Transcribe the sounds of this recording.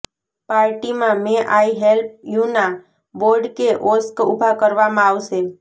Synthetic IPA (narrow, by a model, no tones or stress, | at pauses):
paɾʈimãmeʔaiɦelp̚juna | boɾɖkeʔoskubʱakəɾʋamãaʋʃe